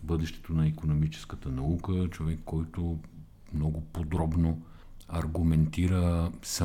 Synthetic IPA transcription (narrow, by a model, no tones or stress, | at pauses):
bɤd̪ɛʃt̪ɛ̥t̪onɐikonomit͡ʃɛ̥skət̪ənɐukət͡ʃovɛkːɔjt̪o | mnɔɡʊpod̪ɾɔbno | ɐɾɡumɛnt̪iɾəsɐ